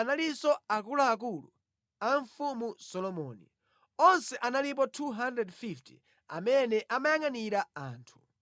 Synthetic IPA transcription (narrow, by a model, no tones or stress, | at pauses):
nalisɔak̬ulaːk̬ulṵ | aɱfumusɔlɔmɔ̰ːnḭ | ɔnsɛʔanalip̬ɔtʰuɦandɾɛdfiftʰi̥̰ | a̰mɛnɛʔamajaŋaniɾaa̰ːntʰu̥